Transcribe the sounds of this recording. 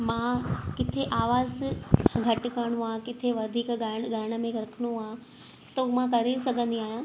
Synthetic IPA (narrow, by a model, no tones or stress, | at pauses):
mãkɪt̪ʰeʔaːʋaːzɡʱɐʈ̆kɐɽ̃ũãːkɪt̪ʰeʋɐd̪ʱiːkɡaɽɡʱɐɾɽ̃ə̆mẽɡʱɐɾkʰəɽ̃ũaː | t̪ɐmãkɐɾesɐɡʱə̃nd̪iaːɦjãː